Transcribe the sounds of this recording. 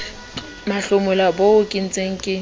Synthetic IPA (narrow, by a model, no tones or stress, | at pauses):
maɬʊmʊlaboʊkʼin̩t͡sʼeŋ̩kʼɪ